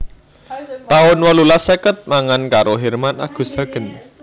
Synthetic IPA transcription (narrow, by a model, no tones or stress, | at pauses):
t̪aʊnwɔlulasəkət̪̚maŋankaɾoɦɛrmana̰ɡ̥ṳsa̤ɡ̥ə̤n